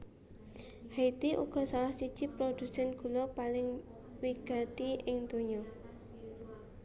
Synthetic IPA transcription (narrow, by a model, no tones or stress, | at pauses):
hait̪iʔṵɡ̥ɔ̤salahsid̥ʒ̥i̤pɾod̪̥ṳsɛnɡ̥ṳlɔpalɪŋ | wiɡ̥a̤t̪iɪŋd̪̥oɲɔ